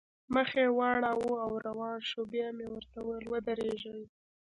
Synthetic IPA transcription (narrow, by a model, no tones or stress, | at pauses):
məxewɑɽawuawɾawɑnʃobjamewəɾt̪awəlwəd̪əɾeʒəwi